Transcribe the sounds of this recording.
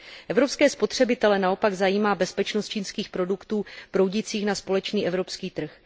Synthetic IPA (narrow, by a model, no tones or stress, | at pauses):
ʔɛvɾo̞pskɛːspo̞t̪r̝̥ɛbɪt̪ɛlɛnao̞paɡzajiːmaːbɛspɛt͡ʃnost̪̚t͡ʃiːnskiːxpɾo̞dukt̪uːpɾo̞wɟɪt͡siːxnaspo̞lɛt͡ʃniːʔɛvɾo̞pskiːt̪r̩x